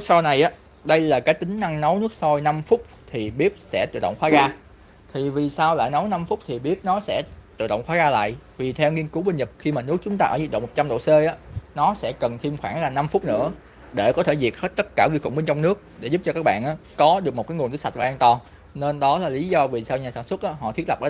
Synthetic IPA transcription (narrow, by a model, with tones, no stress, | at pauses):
sa˧wna˨˩jʔaː˨˦ | ɗə˧jlaː˨˩kaː˨˦jt̪ï˨˦ŋ̟na˧ŋnə˨˦wnɨ˦˥ək̚sɔ˧jna˧mfʊ˦˥k͡p̚t̪ʰi˨˩ɓi˦˥ət̚sɛ̰˧˥t̪ɨ̰˧˨ɗə̰˧˨ŋ͡mxwaː˨˦˥ɣaː˧ | t̪ʰi˨˩vi˨˩saː˧wla̰ː˧˨jnə˨˦wna˧mfʊ˦˥k͡p̚t̪ʰi˨˩ɓi˦˥ət̚nɔ˨˦sɛ̰˧˥t̪ɨ̰˧˨ɗə̰˧˨wŋ͡mxwaː˨˦ɣaː˧la̰ː˧˨jʔvi˨˩t̪ʰɛ˧wŋi˧ənku˨˦ɓə˧nɲə˨˩p̚xi˧maː˨˩nɨ˦˥ək̚t͡ɕʊ˨˦ŋ͡mt̪aː˧ʔəː˧˩zi˨˩t̚ɗ̰ŋ͡mmo˨˩t͡ɕa˧mɗo̰˧˨se˧ʔaː˨˦nɔ˨˦sɛ̰˧˥kə˨˩nt̪ʰi˧əmxwaː˧˩ŋlaː˨˩na˧mfʊ˦˥k͡p̚nɨ̰˧˥ə | ɗe˧˩kɔ˨˦t̪ʰe˧˩zi˨˩ət̚he˦˥t̚t̪ə˦˥t̚kaː˧˩ɣi˧xʊ̰˧˩ŋ͡mɓe˧nt͡ɕɔ˧wŋ͡mnɨ˦˥ək̚ɗe˧˩zu˦˥p̚t͡ɕɔ˧kaː˦˥k̚ɓa̰ː˧˨ʔaː˨˦kɔ˨˦ɗɨ˨˩k̚m̚˨˩kaː˨˦jŋ˨˩nt̪ɨ˨˦sa˨˩t̚vaː˨˩ʔaː˧nt̪ɔ˨˩n | ne˧nɗɔ˨˦laː˨˩li˨˦zɔ˧vi˨˩saː˧wɲaː˨˩saː˧˩nswə˦˥t̚ʔaː˨˦ɦɔ̰˧˨t̪ʰi˦˥ət̚lə˨˩pʔəː˧˩˧